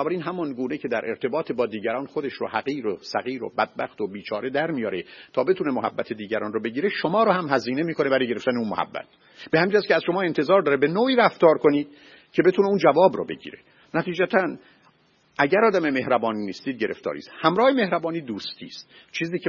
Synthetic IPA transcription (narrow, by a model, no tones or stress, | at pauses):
ɔbæɾiːnɦæmɒnɡuːne̞cʰe̞d̪æɾʔe̞ɾt̪ʰe̞bɒːt̪ʰebɒːd̪iːɟæɾɒːnxo̞d̪eʃɾo̰hæɣiːɾosæɣiːɾo̰bæd̪̚bæxt̪obiːt͡ʃʰɒːɾe̞d̪æɾmijɒːɾet̪ʰɒːbe̞t̪ʰune̞moɦæ̰bːæt̪ʰed̪iːɟæɾɒːnrobe̞ɟiːɾe̞ʃomɒːɾohæmhæziːne̞miːkʰone̞bæɾɒːjɟeɾe̞ft̪æneunmohæ̰bːæ̰t̪ | b̥ehæmid͡ʒæskʲceæz̥ʃo̞mɒːe̞nt̪ʰe̞zɒːɾd̪ɒːɾebe̞noːiːɾæft̪ɒːɾko̞niːd̪̥ | cʰe̞be̞t̪ʰuneund͡ʒævɒːbɾo̰be̞̰ɟḭːɾe̞̰ | næt̪ʰiːd͡ʒæt̪ʰæn | ʔæɟæɾɒːd̪æme̞me̞ɦɾæbɒːniːnist̪iːd̪̚ɟe̞ɾeft̪ɒ̰ːɾḭst̪hæmɾɒːheme̞hɾæbɒːniːd̪uːst̪ʰḭːst̪ | t͡ʃʰiːziːcʰe